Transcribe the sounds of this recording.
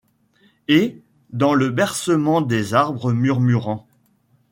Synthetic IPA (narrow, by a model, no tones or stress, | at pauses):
e | d̪ɑ̃ləbɛʁsəmɑ̃d̪ezaʁbʁəmyʁmyʁɑ̃